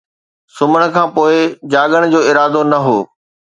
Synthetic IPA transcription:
sʊməɽ̃ə̆kʰãːpoːɪd͡ʑaːɠəɽ̃d͡ʑoːɪɾaːd̪onɐɦoː

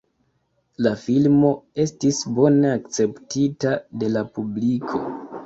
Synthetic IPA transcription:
lafilmo̞e̞stisbo̞ne̞akt͡se̞ptitade̞lapublikʰo̞

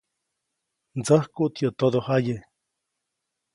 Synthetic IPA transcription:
nd͡zəhkuʔt̪jot̪oðohaje

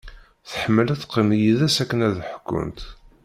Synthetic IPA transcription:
θəħəmːəlæθqːimjiðæsækːənæðħə̥kːʊ̰nt̪

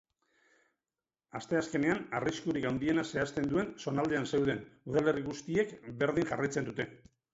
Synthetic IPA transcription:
ast̪e̞aske̞ne̞anariskuɾikawnd̪ie̞nase̞ast̪e̞nd̪ue̞nso̞nald̪e̞anse̞wðe̞nuðale̞riɣ̞ust̪ie̞kbe̞ɾð̞iŋʝarajt͡se̞nd̪ut̪e̞

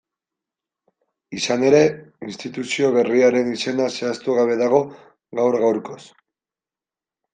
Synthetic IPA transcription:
isane̞ɾe̞inst̪it̪usio̞βe̞riaɾe̞nise̞nase̞ast̪uɣaβ̞e̞ðaɣ̞o̞ | ɣawɾɣawɾko̞s

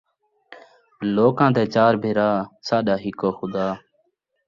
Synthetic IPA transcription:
loːkãːd̪eːt͡ʃaːɾbʱɪɾaːsaːɗaːɦɪkoːxʊd̪aː

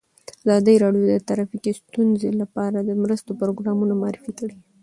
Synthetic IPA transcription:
əazɑd̪əjɾɑɖjod̪ət̪aɾafikist̪unzelapɑɾad̪əmɾəst̪opɾoɡɾɑmunamaɑɾifikəɽi

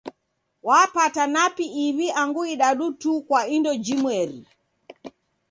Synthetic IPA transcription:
wapatanapiːβiʔaŋɡuiɗaɗutukwaindɔd͡ʒimwɛɾḭ

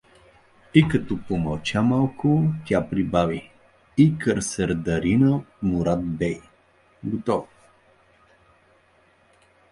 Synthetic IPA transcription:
ikɐt̪ɔpomɐlˠt͡ʃamalˠkʊt̪ʲapɾibavi | ikəɾsɛɾd̪ɐɾinət̪mʊɾat̪̚bɛj | ɡot̪ɔf

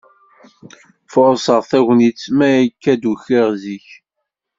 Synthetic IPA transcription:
fʊɾˤsəʁθæʝnit͡sːmæækːæd̪uçɪʁziç

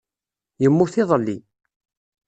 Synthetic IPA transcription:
jəmːuθɪðˤəlːi

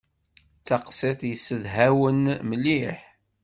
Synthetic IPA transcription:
t͡sːɑqsˤet̪ˤjəsːəðɦæwənməlːiħ

